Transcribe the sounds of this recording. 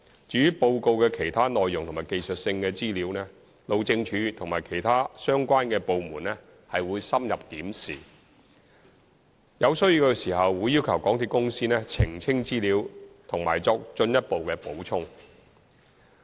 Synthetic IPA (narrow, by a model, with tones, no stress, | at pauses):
t͡ʃyː˨˥jy˨˥po˧wko˧wkɛː˧kʰe˨˩jt̪ʰaː˥nɔː˨jːʊ˨˩ŋt̪ʰʊ˨˩ŋmaː˨˩jke˧jsɵ˨t̚sɪ˧ŋkɛː˧t͡siː˥liː˨˥wnɛː˥ | lo˨˧wt͡sɪ˧ŋt͡ʃʰyː˨˧t̪ʰʊ˨ŋmaː˨˩jkʰe˨˩jt̪ʰaː˥sœː˥ŋkʷaː˥nkɛː˧po˨˧wmuː˨˩nɛ˥ | hɐ˨jwuː˨˧jsɐ˥mjɐ˨p̚k̪iː˨˥msḭː˨˩ | jɐ˨˧wsɵ˥ɥji˧wkə˧siː˨˩hɐ˨wːuː˨˧jːiː˥wkʰɐ˨˩wkɔː˨˥ŋt̪ʰiː˨˧kʊ˥ŋsiː˥nɛː˥t͡sʰɪ˨˩ŋt͡sʰɪ˥ŋt͡siː˥liː˨˧˥wt̪ʰʊ˨˩ŋmaː˨˩jt͡sɔː˧k̚t͡ʃɵ˧njɐ˥t̚po˨wkɛ˧po˨˥wt͡ʃʰʊ˥ŋ